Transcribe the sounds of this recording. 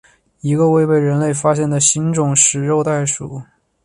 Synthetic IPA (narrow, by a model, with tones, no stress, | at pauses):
i˧˥ɡə˧we˥˧ɪpe˥˩ɪɻə˧˥nle˥˩ɪfa˥ɕjɛ˥˩nd̪ə˩ɕi˧˥nʈ͡ʂʊ˨˩˦ŋʂɻ̩˨˩ɻo˥˧ʊt̪a˥˩ɪʂṵ˨˩˦